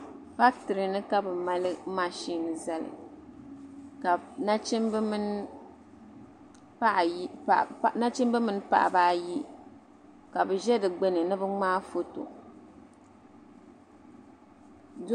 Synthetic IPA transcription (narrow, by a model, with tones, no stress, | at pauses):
fa˦k̚tɨ˨ɾɨ˨nɨ˦ka˦bɨ˨ma˦lɨ˦ma˨ʃiː˦nɨ˨za˨lɨ̰˨ | ka˨na˦t͡ʃi˦mbmɨ˦n˦ | pa˦ʔna˦t͡ʃɪ˦mbɨ˦mɨ˦n˦pa̰˨ʔa̰˨baː˦ji˦ | ka˨bɨ˨ʒɛ˦dɨ˨ɡ͡bɛ˦nɨ˨nɨ˦bɨ˦ŋ͡maː˦fo˦to̰˨˦